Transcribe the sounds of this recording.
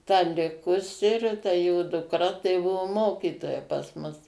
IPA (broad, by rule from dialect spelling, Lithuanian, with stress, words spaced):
tɐ ˈlʲɪkʊsʲɪ ɪr tɐ joː dʊˈkrɐ tɐɪ ˈbʊʋoː ˈmoːkʲiːtoːjɛ pɐs ˈmʊs